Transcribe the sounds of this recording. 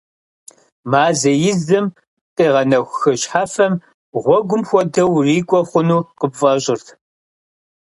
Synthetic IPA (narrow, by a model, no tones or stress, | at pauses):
maːzɐjɪzɨm | qʼiːʁɐnɐxʷxɨɕħaːfɐm | ʁʷɔɡʷʊmxʷɔdɐwriːkʷʼɔχʷʊnuːqəbfʼɐɕʼɪrtʰ